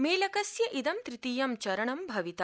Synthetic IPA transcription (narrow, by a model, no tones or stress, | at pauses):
meːlɐkɐsjɐʔid̪ɐmt̪ɾit̪iːjɐmt͡ʃɐɾɐɳɐmbʱɐʋit̪ɐ